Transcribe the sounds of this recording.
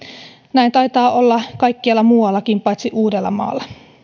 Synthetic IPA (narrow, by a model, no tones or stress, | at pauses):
næint̪ɑjt̪ɑːolːɑkɑjkːiɑlːɑmuːwɑlːɑkimpɑjt̪siʔuːdelːɑ̰mɑ̰ːlːɑ